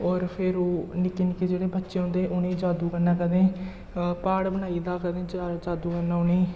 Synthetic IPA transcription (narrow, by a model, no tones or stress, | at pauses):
ɔːɾpʰɪɾoːnɪkeːnɪkeːd͡ʒeːɽeːbətːʃeːɦõːnd̪eːʔʊnẽːd͡ʒaːd̪uːkənːãːkəd̪ẽː | paːɽbəñaːiːd̪aːkəd̪ẽːd͡ʒd͡ʒaːd̪uːkəɾnãːʊneː